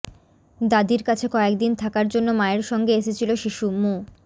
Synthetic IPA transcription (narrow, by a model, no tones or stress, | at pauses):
d̪ad̪iɾkat͡ɕʰekɔek̚d̪int̪ʰakaɾd͡ʑonːomaeɾʃɔŋɡeeʃet͡ɕʰiloʃiʃumu